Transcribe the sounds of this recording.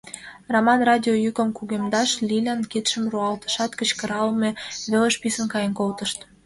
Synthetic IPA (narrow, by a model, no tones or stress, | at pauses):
romɑnrɑdʲiojykə̆mkuɣemd̪ɑʃlʲilʲænkit̪ʃə̆mruɑlt̪ə̥̆ʃɑt̪kət͡ɕkə̆ɾɑlmeβeləʃpisə̆nkɑjənkolt̪ə̆ʃt̪